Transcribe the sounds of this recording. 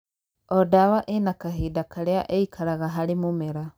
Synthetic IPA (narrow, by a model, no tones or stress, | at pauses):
ɔdawaʔenakaɦiːdakʰaɾeaʔeikʰaɾaɣaɦaɾemumɛɾa